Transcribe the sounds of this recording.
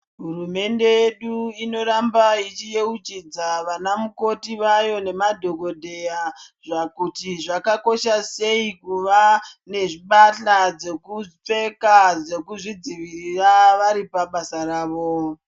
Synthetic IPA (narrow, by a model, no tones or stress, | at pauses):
ɦurume̞nde̞jeɗuino̞ɾambait͡ʃije̞ut͡ʃid͡zaʋanamuko̞tiʋajo̞ne̞madʱo̞ɡʱo̞dʱe̞jaʐakutiʐakako̞ʃase̞ikuʋane̞ʐiɓaɬad͡ze̞kup͡fe̞kad͡ze̞kuʐid͡ziʋiriraʋaɾipaɓasaraːʋo̞